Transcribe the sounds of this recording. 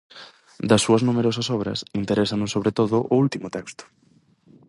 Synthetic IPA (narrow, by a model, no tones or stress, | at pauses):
d̪ɐsːuɐznumeɾɔs̬ɐsɔβ̞ɾɐ̰sint̪eɾesɐnʊsoβɾet̪oðʊʔʊult̪imʊt̪ɛkst̪ʊ̥